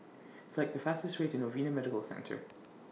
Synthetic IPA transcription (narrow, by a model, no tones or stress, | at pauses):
ɪslˠaɪk̚ðəfastɪstɹeɪʔɪ̃novinəmɛdɪkəlˠsɛ̰̃ntʰə̰˞